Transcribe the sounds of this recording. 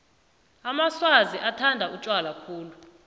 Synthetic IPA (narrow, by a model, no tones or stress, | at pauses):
amaswaziʔatʰandʱaut͡ʃʼwalakʰuːlu